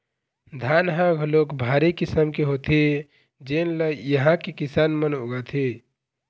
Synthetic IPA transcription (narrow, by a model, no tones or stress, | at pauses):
d̪ʱaːnɦãɡʱloːkbʱaːɾikisəmkeɦoːt̪ʰe | d͡ʒenləjəɦãkekisaːnmənoɡət̪ʰe